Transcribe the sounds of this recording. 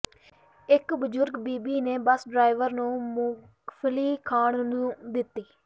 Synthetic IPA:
ɪkbəzʊɾɡbiːbiːneːbəsɖɾaːɪʋəɾnũːmuː | pʰliːkʰaːɳnːd̪ɪt̪ːiː

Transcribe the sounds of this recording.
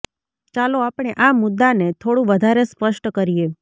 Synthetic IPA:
t͡ʃaloapɽ̃eʔamʊd̪ːanet̪ʰoɽũʋəd̪ʱaɾespəʃʈkəɾije

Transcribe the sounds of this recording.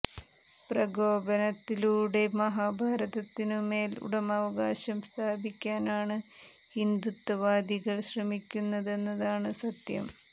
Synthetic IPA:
prɐɡo̞ːbɐnɐt̪ːiluːɽe̞mɐɦaːbʱaːɾɐðɐt̪ːinɨme̞ːlṵɽɐmɐʋɐɡaːɕɐmst̪ʰaːbikʲːaːnaːɳɨ | hind̪ut̪ːɐʋaːd̪iɣɐɭɕrɐmikʲːunːɐðe̞nːɐðaːɳɨsɐt̪jɐ̰m

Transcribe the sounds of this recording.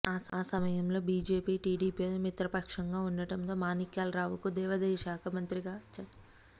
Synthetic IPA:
aːsaːsɐmɐjɐmlo̞ːbiːd͡ʒeːpiːʈiːɖiːpionmit̪ɾɐpɐkʂɐŋɡaːunːɐʈɐmt̪oːmaːnikjaːlɾaːʋukud̪ɛːʋɐd̪ɛːʃaːkʰɐmɐnt̪ɾiɡaːt͡ʃɐ

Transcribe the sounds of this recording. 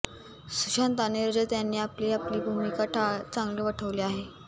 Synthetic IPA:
suɕant̪aneɾd͡ʑət̪janːiːapliːapliːbʱumikaʈʰat͡saŋɡliːʋəʈʰəʋliːaɦe

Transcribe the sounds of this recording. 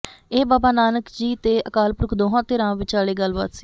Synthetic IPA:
eːbaːbaːnaːnəkd͡ʒiːt̪eːʔəkaːlpʊɾʊkʰd̪oːɦãːt̪eːɾãːʋɪt͡ʃaːɭeːɡəlba̰ːt̪si̥ː

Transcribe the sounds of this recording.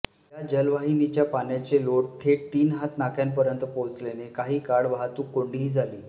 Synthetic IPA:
jad͡ʑəlʋaɦinit͡ɕjapanjat͡seloɽ̚t̪ʰet̪iːnɦat̪nakʰjanpəɾjənt̪əpot͡slenekaɦiːkaɽʋaɦat̪uːkoɳɖiɦiːd͡zʱaliː

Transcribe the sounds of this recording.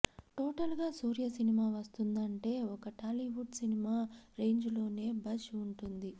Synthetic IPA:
ʈoːʈɐlɡaːsuːɾjɐsinimaːʋɐst̪und̪ɐɳʈe̞ːɔkɐʈaːliʋuʈsinimaːɾe̞ːɲd͡ʒulo̞ːne̞ːbɐʃuɳʈund̪i

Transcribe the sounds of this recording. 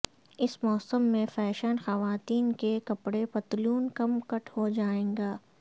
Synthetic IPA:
ɪsmɔːsəmːẽfɛːʃənxɐʋaːt̪iːnkekɐpɽepɐt̪luːnkɐmkɐʈʰɦod͡ʒaːẽːŋɡaː

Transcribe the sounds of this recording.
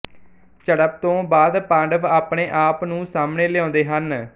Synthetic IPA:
t͡ʃəɽəp̚t̪õːbaːd̪pãːɳɖəpaːpɳeːʔaːpnũːsaːmneːlɪjãːnd̪eːɦən

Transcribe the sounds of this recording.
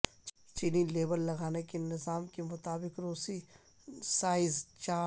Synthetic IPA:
t͡ʃiːnileːbəlːɐɡaːnekenɪzaːmkemʊt̪aːbɪkɾoːsi | saːɪzt͡ʃaː

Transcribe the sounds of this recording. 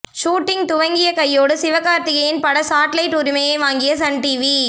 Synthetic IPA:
ʃuːʈːɪŋt̪ʊʋɐŋɡɪjɐkɐjːoːɽɯsɪʋɐkaːɾt̪ɪɣɐjɪnpɐɽɐsaːʈlɐɪʈːʊɾɪmɐjɐɪʋaːŋɡɪjɐsɐnʈiːʋi

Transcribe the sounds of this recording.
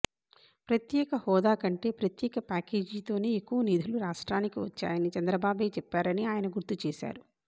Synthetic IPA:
pɾɐt̪jɛːkɐhɔːd̪aːkɐɳʈe̞ːpɾɐt̪jɛːkɐpaːke̞ːd͡ʒiːt̪o̞ːne̞ːekːuʋɐniːd̪ʱuluɾaːʂʈɾaːnikiʋɐ̰t͡ʃːa̰ːjɐnit͡ʃɐnd̪ɾɐbaːbe̞ːt͡ʃɛpːaːɾɐniaːjɐnɐɡuɾt̪ut͡ʃeːʃa̰ːɾu

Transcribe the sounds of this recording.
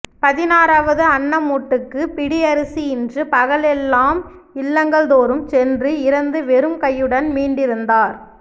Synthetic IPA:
pɐðɪnaːɾaːʋɐðɯɐɳːɐmuːʈːɯkːɯpɪɽiɐɾɯsiɪndrɯpɐɣɐɭɛlːaːm | ɪlːɐŋɡɐɭðoːɾɯmt͡ʃɛndrɯɪɾɐnd̪ɯʋɛɾɯmkɐjːɯɽɐnmiːɳɖɪɾɯnd̪aːɾ

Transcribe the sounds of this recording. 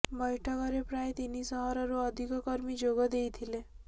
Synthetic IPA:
bʌjʈʰɔkɔɾepɾajt̪inisɔɦɔɾɔɾuʌd̪ʱikɔkʌɾmid͡ʒoɡɔd̪ejt̪ʰile

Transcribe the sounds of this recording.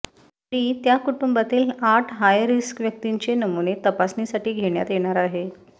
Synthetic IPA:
ɾit̪jakuʈumbat̪iːlaʈʰɦajɾiskʋjək̚t̪iɲt͡ɕenəmunet̪əpasnisaʈiːɡʱeɳja̰t̪jeɽ̃aɾaɦe

